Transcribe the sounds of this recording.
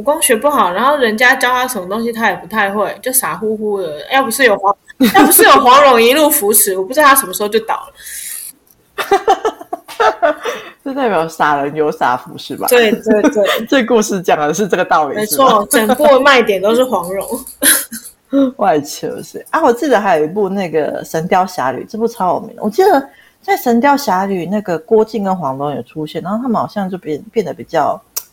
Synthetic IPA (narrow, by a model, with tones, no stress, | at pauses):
u˨˩kwɑ˥ŋɕɥɛ˧˥pu˥˩xɑ˨˩ʊɻa˧˥nxo˥˩ʊɻə˧˥nt͡ɕja˥t͡ɕjɑ˥ʊt̪ʰa˥˩ʂə˧˥nmə˧˩t̪o˥ŋɕ̬i˧t̪ʰa˥jɛ˨˩pu˧˥t̪ʰa˥˧ɪxwe˥˩ɪt͡ɕjo˥˩ʊsa˨˥xu˥xu˥də˨jɑ˥˩pu˧˩ʂɻ̩˥˩jo˨˩ʊxwɑ˧˦˥ŋjɑ˥˩pu˧˥ʂɻ̩˥˩jo˨˩ʊxwɑ˧˥ŋɻʊ˧˥ŋi˧˥lu˥˩fu˧˥ʂʰɻ̩˧˥wɔ˨˩pu˧˥˩a˥ʂə˧˥mə˧xo˧t͡ɕo˥˩t̪ɑ̰˨˩ʊlə˦ | t͡ɕo˥˧t̪a˥˩ɪpjɑ˨˩ʊsa˨˩ɻə˧˥njo˧˦ʊsa̰˨˥fu˧˦ʂɻ̩˥˩ma̰˧we˥˩ɪt̪we˥˩ɪwe˥˩ʈ͡ʂə˥˧ku˥˧ʂɻ̩˥˩t͡ɕjɑ˨˩ŋd̪ə˦ʂ̬ɻ̩˥˧ʈ͡ʂɤ˥˩ɡə˩t̪ɑ˥˩ʊli˨˦˥ʂɻ̩˥˩wɔ˥˩˥ʈ͡ʂə˨˩ŋpu˥˩˧ma˥˧ɪ˥t̪jɛ˨˩nt̪o˥ʊʂ̬ɻ̩˥˩xwɑ˧˥ŋɻʊ˧˥ŋ | wa˥˧ɪt͡ɕʰə̰˧˥˩ʂɻ̩˥˩ʔa˥wɔ˨˩t͡ɕi˥˩d̪ə˨˩xa˧˥ɪjo˨˩i˧˦p̬u˥˧na˥˩ɡə̰˩ʂə˧˥nt̪jɑ˥ʊɕja̰˧˥ly̰˨˩ʈ͡ʂə˥˧pu˥˩ʈ͡ʂʰɑ˥jo̰˨˩mḭ˧˦ŋlə˨wɔ˨˩t͡ɕi˧˥d̪ə˨ | t͡sa˥˩ɪʂə˧˥nt̪jɑ˥ʊɕja˧˥ly˨˩na˥˩ɡə˩kwɔ˥t͡ɕi˥˩ŋkə˦˥nxwɑ˧˥ŋlɔ˧˥ŋjo˨˩ʈ͡ʂʰu˦ɕjɛ˥˩nːa˧˥o˥t̪ʰa˥mə˨nxɑ˨˩ʊɕjɑ˥˧ŋt͡ɕjo˥˧ʊ˥˩pjɛ˥˩nd̪ə˩pi˨˩t͡ɕjɑ˥˩ʊ